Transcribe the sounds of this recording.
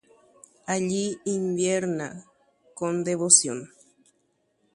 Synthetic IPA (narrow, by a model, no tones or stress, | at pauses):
aʎiːmbjeɾna | kond̪eβosjon